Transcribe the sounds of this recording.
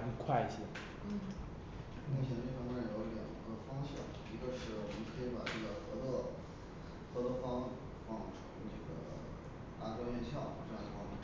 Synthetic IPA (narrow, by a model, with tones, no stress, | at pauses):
kʰwa˥˩ɪt͡ɕʰi˨˩˥ | mu˥˩t͡ɕʰɛ˧˥nə˧ʈ͡ʂfɑ˥ŋfa˥˩˥jo˧˥ʊljɑ̰˨˩ŋi˧˥ɡə˦fɑ˥ŋɕjɑ̰˨˩˦ŋ | i˧˥ɡə˧ʂɻ̩˥˩wɔ˨˩mə̃˦ŋkʰɤ˧˥i˧˥pa̰˨˩ʈ͡ʂɤ˥˩ɡə˩xɤ˧˥t͡sɔ˥˧ | xɤ˧˥t͡sɔ˥˧fɑ˥ŋ̩˨˩ | fɑ˥˩ŋʈ͡ʂʰu˧˥ʈ͡ʂɤ˥˩ɡə̰˩ | t̪a˥˩ʈ͡ʂwa˥jɛ˥˧nɕjɑ˥˩ʊ˧˩ʈ͡ʂɤ˥˧˥ɑ˥˧i˧˩fɑ˥˩˧